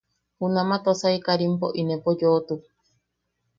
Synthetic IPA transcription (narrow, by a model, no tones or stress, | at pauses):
hunãmãt̪osaikaɾimpoʔinẽpod͡ʒoːt̪u